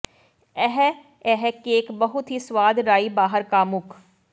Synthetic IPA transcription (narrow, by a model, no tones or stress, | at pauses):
ɛɦ | ɛɦɛkeːkbəɦʊt̪ɦiswaːd̪ɾaːibaːɦəɾkaːmʊk